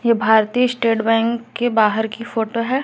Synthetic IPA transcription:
jebʱaːɾt̪iːɪsʈeːʈbɛ̃ːŋkːebaːɦəɾkifoːʈoɦɛː

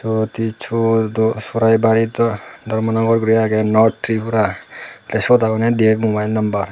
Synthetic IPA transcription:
sɔt̪it͡ʃʰusɔɾajbaɾit̪ɔd̪ʱɔɾmɔnɔɡɔɾɡɾiaɡɛnɔɾt̪ʰːɾipʰuɾatesot̪akɔnɛd̪iekmobajlnɔmbaɾ

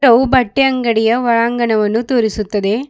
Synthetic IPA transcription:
ɾɐʋɯbɐʈːɪɐŋɡɐɽɪjɐʋɐɻaːŋɡɐnɐʋɐnːɯt̪oːɾɪsɯt̪ːɐðeː

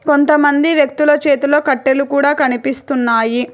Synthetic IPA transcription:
ko̞nt̪ɐmɐnd̪iʋjɐk̚t̪ulɐt͡ʃe̞ːt̪ulo̞ːkɐʈːelukuːɽaːkɐnipist̪unːaːji

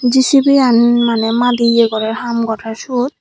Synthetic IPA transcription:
zisibianmanɛmadiɛɡɔɾɛhamɡɔtʰasud̪̚

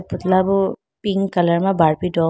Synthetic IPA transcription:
put̪labʊ | piŋkalaɹmabaɹpidɔ

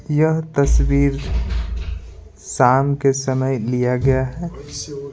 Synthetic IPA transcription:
jəɦt̪ɐswiːɾ | saːmkesəməjlijaɡɐjaɦɛ

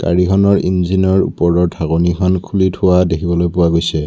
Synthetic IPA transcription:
ka̰ɹikʰɔnɔɹinzinɔɹṵpɔɹɔɹtʰaɣɔnikʰɔnkʰulitʰʊwadekʰibɔlojpʊwaɡojsɛ

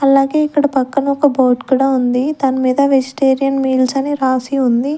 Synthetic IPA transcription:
ɐlaːɡe̞ːikːɐɽɐpɐkːɐnɐɔkɐboːʈkuːɽaːund̪it̪ɐnɐmiːd̪ɐʋed͡ʒiʈeːɾijɐnmiːlsɐneːɾaːsiund̪i

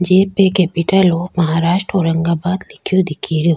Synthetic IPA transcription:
d͡ʒeːpekɛpiʈəloːmɐɦaːɾaːʃʈɾoːɾɐŋɡabaːd̪lɪkʰijod̪ɪkʰiɾo

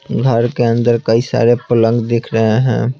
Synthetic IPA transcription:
ɡʱəɾkeənd̪əɾkəisa̰ɾepələŋɡd̪ekʰɾəɦeɦɛ̰̃ː

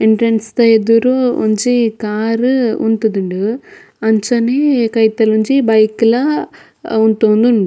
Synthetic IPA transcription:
iɳʈɾenst̪ɐed̪uɾuṵɲt͡ʃikaːɾunt̪ud̪uɳɖu | ɐɲt͡ʃɐnekɐjt̪ɐluɲt͡ʃibɐjklɐ | unt̪oːnd̪uɳɖu

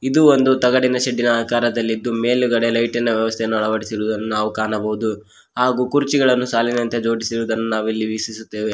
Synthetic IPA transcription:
id̪uond̪ut̪ɐɡɐɽinɐʃɐɖːinɐːkaːɾɐd̪ɐlːid̪ːume̞ːluɡɐɽelɐjʈɐnːɐʋjɐʋɐst̪ʰejɐnːuɐɭɐʋɐɽisiɾuːd̪ɐnːunaːʋukaːnɐbɐɦud̪u | haːɡuːkuɾt͡ʃiɡɐɭɐnːusaːlinɐnt̪ed͡ʒo̞ːɽisiɾuːd̪ɐnːunaːʋilːiʋisisut̪ːeːʋe̞

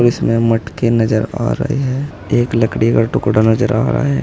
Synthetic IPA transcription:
ɾɪsmẽməʈkenɐd͡ʒəɾa̰ːɾɐ̰ɦḛɦɛː | eːkləkɽiɡaʈʊkɽanɐd͡ʒəɾa̰ːɾa̰ɦɛː

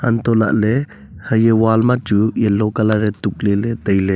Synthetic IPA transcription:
ant̪ɔla̰ʔlɛ | həjewalmat͡ʃujɛlɔkalaɾɛt̪uk̚lɛlɛt̪əjlɛ

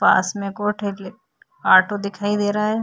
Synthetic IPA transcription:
pa̰ːsmẽkoːʈʰel | aːɾʈod̪ɪkʰaːid̪eːɾaaɦɛː

